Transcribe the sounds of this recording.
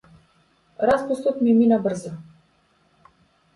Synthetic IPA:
ɾaspust̪ɔt̪miminabr̩zɔ

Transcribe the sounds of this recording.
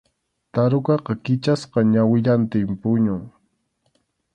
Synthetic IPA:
t̪aɾʊkɑqɑkɪt͡ʃasqɑɲawɪʎant̪ɪmpʊɲʊŋ

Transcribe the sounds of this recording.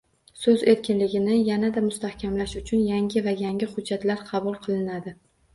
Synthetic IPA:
sɵze̞ɾkʲʰɪnlɪɡʲɪnɪjanad̪amʊst̪ahkʲʰamlaʃʊt͡ʃʰʊnjaŋɡʲɪvajaŋʲɪhʊd͡ʒːat̪laɾqʰɑbʊlˠqʰɨlˠɪnad̪ɪ

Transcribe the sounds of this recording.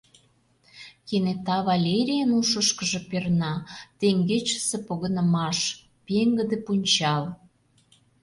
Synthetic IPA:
kenet̪ɑβɑlʲeɾʲijənuʃəʃkəʒĕpernɑt̪eŋɡet͡ɕə̥sepoɣənə̆mɑʃ | peŋɡə̆d̪ĕpunʲt͡ɕɑl

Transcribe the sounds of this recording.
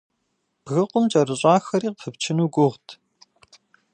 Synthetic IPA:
b̥ɣɨqʷʊmt͡ʃʼɐɾɨɕʼɑːxɐɾiːqfʰɨpt͡ʃʰɪnuːɡʷʊʁtʰ

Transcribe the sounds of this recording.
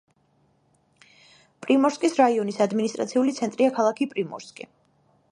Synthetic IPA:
pʼɾimɔɾskʼisɾaiɔnisad̪minist̪ʼɾa̰t̪sʰiulit̪sʰɛnt̪ʼɾiakʰalˠakʰipʼɾimɔ̰ɾskʼḭ

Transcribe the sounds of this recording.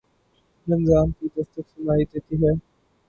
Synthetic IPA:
lɪnzaːmkiːd̪ɐst̪əksənaːid̪eːt̪iɦɛː

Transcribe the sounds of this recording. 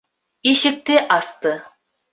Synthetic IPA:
iʃɘ̆k̚t̪eʔɑst̪ɤ

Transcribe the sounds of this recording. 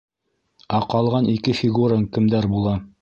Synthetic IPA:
æqɑlˠʁɑnʔikɘfʲiɡuɾəŋkɘ̆md̪æɾbulˠɑ

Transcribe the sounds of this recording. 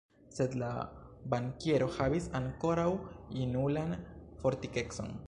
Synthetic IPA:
se̞d̪labaŋkeɾo̞havisaŋko̞ɾawinulanfo̞ɾt̪ike̞kso̞̰n

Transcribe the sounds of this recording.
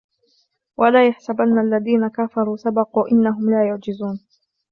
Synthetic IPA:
wʔalaːjaħsabanːaʔalːaðiːnakafɑɾˤuːsabɑquːʔɪnːaɦʊmlaːjʊʕd͡ʒɪzuːn

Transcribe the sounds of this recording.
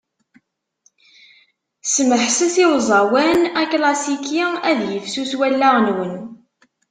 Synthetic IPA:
sməħsæsiwzˤɑwænæklɑsikiæðjəfsuθwælːaʁnwən

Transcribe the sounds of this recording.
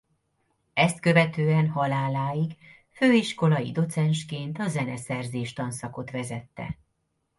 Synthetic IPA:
ɛst̪̚kø̞vɛt̪øːɛnɦɒlaːlaːjiɡ | føːiʃko̞lɒjḭd̪o̞t̪sɛnʃkeːnt̪ɒzɛnɛsɛrzeːʃt̪ɒnsɒko̞t̪ʋɛzɛt̪ːɛ̰

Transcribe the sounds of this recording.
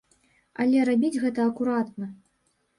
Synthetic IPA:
ɐ̰lʲɛɾabʲid͡zʲɣɛt̪ɐːkuɾat̪nɐ

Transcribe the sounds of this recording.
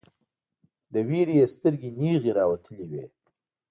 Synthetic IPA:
d̪əweɾijest̪əɾɡiniɣeɾɑwat̪ʰəliwe

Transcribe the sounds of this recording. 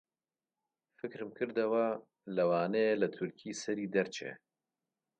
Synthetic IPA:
fɨkɾɨmkʰɨɾd̪ɐwa | lɐwaːneelɐt̪ʰʊɾkʰiːsɛɾiːd̪ɛɾt͡ʃʰḛ

